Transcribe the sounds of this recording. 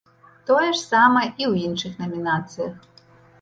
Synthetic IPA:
t̪ɔjɛʂsɑmɛʔiwinʃɨxnɐmʲinɑt̪sɨjɐx

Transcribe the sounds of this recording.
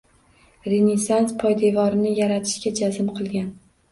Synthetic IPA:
ɾenesanspʰɒjd̪e̞vɒɾɪnɪjaɾat̪ʰɪ̥ʃkʲad͡ʒazɪmqʰɨlˠɡʲan

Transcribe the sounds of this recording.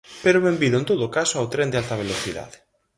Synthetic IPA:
peɾoβembiðʊent̪oðʊkasoawt̪ɾend̪ealt̪ɐβ̞eloθiða̰ðɪ

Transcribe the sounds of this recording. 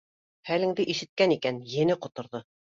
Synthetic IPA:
hælɘ̆ŋd̪ɘʔiʃɘ̆t̪̚kænikænjɘ̆nɘqŏt̪ŏɾðo

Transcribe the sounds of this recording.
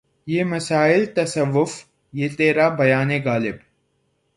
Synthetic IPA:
jeːmɐsaːɪlt̪ɐsɐʋːʊf | jeːt̪eːɾabɐjaːneɡaːlɪb

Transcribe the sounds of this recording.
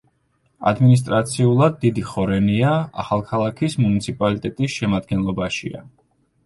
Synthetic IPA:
a̰d̪minis̬t̪ʼɾat̪sʰiulˠad̪ːid̪iχɔɾɛniaa̰χalˠkʰalˠakʰismunit̪sʰipʼalit̪ʼɛt̪ʼisʃɛmad̪̚ɡɛnlˠɔbaʃḭa̰

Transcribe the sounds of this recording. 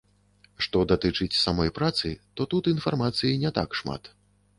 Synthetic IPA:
ʂt̪ɔd̪at̪ɨt͡ʂɨt͡sʲsamɔjpɾat̪sɨt̪ɔt̪ut̪infarmat̪sɨjinʲɛt̪a̰kʂma̰t̪

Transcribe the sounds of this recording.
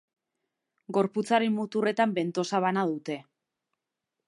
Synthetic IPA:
ɡo̞ɾput͡saɾemːut̪ure̞t̪ambe̞nt̪o̞saβ̞anaðut̪e̞

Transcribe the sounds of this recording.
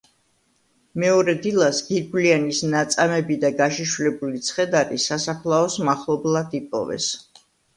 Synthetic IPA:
mɛɔɾɛd̪ilˠasɡiɾɡlianisnat̪sʼamɛbid̪aɡaʃiʃlɛbulit̪sʰχɛd̪aɾisasapʰlˠaɔsmaχlˠɔblˠad̪ipʼɔ̰vɛ̰s

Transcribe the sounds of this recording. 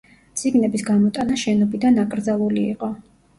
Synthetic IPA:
t̪sʼiɡnɛbisɡamɔt̪ʼanaʃɛnɔbid̪anakʼɾd̪zalˠuliḭqʼɔ

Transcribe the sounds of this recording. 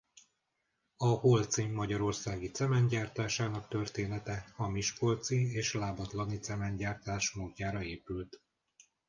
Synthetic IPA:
ɒholt̪siːɒɟɒɾo̞rsaːɡit̪sɛmɛɲɟaːrt̪aːʃaːnɒkt̪ørt̪eːnɛt̪ɛɒmiʃko̞lt̪sieːʃlaːbɒt̪lɒnit̪sɛmɛɲɟaːrt̪aːʃmoːɟːaːɾɒeːpylt̪

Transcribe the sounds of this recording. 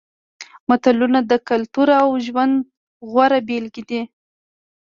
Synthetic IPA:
mat̪alunad̪əkalt̪uɾawʒwand̪ | ɣwaɾabelɡid̪i

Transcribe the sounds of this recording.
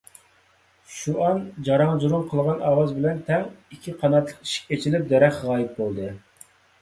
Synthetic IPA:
ʃuʔɑnd͡ʒɑɾɑŋzuɾumqʰəlˠʁɑnɑːwɑzbɪlɛnt̪ʰɛŋikʲʰiqʰɑnɑt̪lˠəqi̥ʃi̥k̚ʲet͡ʃʰilɪp̚d̪ɛɾɛχʁɑːjip̪̚bolˠd̪ɨ

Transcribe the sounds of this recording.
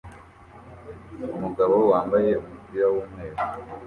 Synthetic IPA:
umuɡaβo̞waːmbaje̞umuzijawuːmweːɾo

